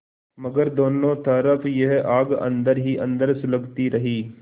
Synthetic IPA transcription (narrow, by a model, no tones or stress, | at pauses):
məɡəɾd̪oːnõt̪ɐːɾəfʰjeɦʔaːɡɐ̰̃nd̪əɾɦiʔɐ̃nd̪əɾsʊləɡt̪iɾɐɦiː